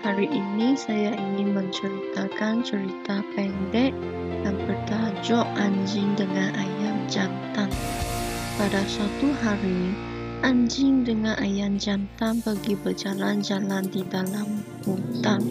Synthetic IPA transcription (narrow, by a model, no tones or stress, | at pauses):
haɾiʔinisajainiməɲt͡ʃəɾit̪akant͡ʃəɾit̪apɛndɛʔ̚ | danbərdad͡ʒɔʔaɲd͡ʒɪŋdəŋanʔajand͡ʒant̪an | padasat̪uɦaɾi | ʔaɲd͡ʒɪŋdəŋanʔajand͡ʒant̪anbaɡibərd͡ʒaland͡ʒalandidalambut̪an